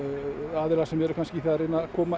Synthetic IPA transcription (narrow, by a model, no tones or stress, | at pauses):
aːðɪɾasɛmɛɾʏkʰanscɪθɛðaɾenakʰɔːma